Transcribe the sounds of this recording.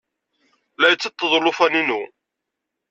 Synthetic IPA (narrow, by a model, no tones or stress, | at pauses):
læjət͡sːət̪ˤːəðˤlʊfæninu